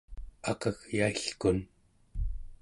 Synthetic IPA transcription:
ɑqʌɣjaiɬkun

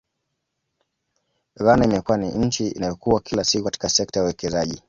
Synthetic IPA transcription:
ɣanaimɛkuwaniɲ̩t͡ʃiḭnajɔkuwakʰilasikukati̥kasɛk̚tajauwɛkɛzaʄi

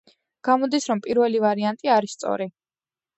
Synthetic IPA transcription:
ɡ̥amɔd̪isɾɔmpʼiɾvɛlivaɾiant̪ʼiaɾisːt̪sʼɔ̰ɾi

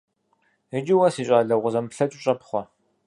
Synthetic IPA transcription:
ɪd͡ʒɪwɐsiːɕʼaːɮɐʁʷʊzɐmpɬɐt͡ʃʼʊɕʼɐpχʷɔ

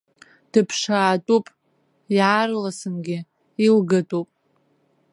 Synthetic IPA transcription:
d̥ɨpʰʂaːtʼupʼ | iʕarlasɨnɡʲɪ | ilɡatʼupʼ

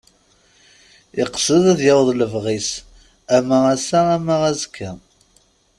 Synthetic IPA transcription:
ɪqsəðæðjɑwðˤləvʁis | æməʁæsaæmaʁæzkʰːæ

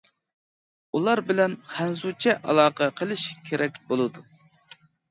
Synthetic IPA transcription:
ulˠɑɾbɪlɛnχænzut͡ʃʰɛʔɑ̰lˠɑːqʰəqʰəlˠɪʃkʲʰeɾʔɛk̚ʲbolˠɨd̪u

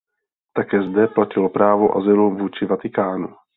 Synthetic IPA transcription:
t̪akɛːzdɛplacɪlopɾaːvo̞ʔa̰zɪluvuːt͡ʃɪvat̪ɪkaːnṵ

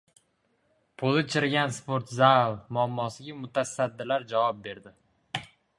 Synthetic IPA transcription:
pʰolˠɪt͡ʃʰɪɾɡʲanspoɾt̪zalmʊamːɒsɪɡʲamʊt̪ʰasad̪ːɪlaɾd͡ʒavɒp̚be̞ɾd̪ɪ

